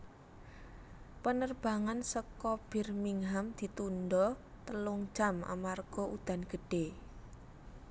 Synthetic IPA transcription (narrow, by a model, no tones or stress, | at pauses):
pənərb̥a̤ŋansəkɔb̥ɪ̤rmiŋɦamd̪̥i̤t̪undɔ | t̪əlʊŋ̥d͡ʒ̥a̤ma̰marɡ̥ɔ̤ʔud̪̥a̤nɡ̥ə̤ɖ̥e